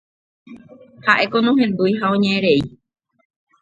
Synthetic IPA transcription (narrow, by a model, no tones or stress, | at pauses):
haʔe̞konõɦẽ̞nd̪ujɦaõɲẽẽɾe̞i